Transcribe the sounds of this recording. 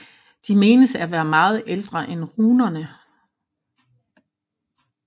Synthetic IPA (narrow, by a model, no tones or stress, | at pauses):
d̥ime̝ːnəsæʋæːɐmɑ̈ːð̞̩ˠeld̥ʁɐʔenʁuːnɐnə